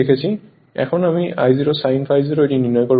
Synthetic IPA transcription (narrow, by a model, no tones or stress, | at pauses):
ekʰasi | ɛ̰kʰɔnamiʔa̰jziɹɔsajnpʰajziɹɔɾininɔjkɔɹ